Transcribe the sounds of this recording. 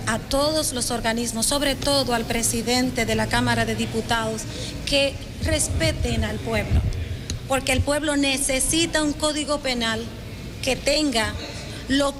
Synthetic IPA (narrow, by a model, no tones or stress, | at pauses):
at̪o̞ðo̞zlo̞so̞ɾɣanizmo̞sːo̞βɾe̞t̪o̞ðoalpɾe̞siðe̞nt̪e̞ðe̞lakamaɾaðe̞ðiput̪aðo̞s | ke̞ | re̞spe̞t̪enalpwe̞βlo̰po̞ɾke̞ːlpwe̞βlo̞nese̞sit̪auŋko̞ðiɣo̞pe̞nal | ke̞t̪e̞ŋɡa | lo̞